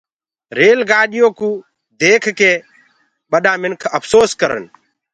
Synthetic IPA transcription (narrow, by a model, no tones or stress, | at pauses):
ɾeːlɡaːɗɪjõːkũː | d̪eːkʰkeː | ɓəɗãːmɪnkʰəpʰsoːskəɾə̰n